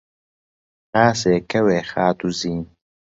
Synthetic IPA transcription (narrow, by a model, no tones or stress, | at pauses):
aːseːkɐweːxaːt̪uziːn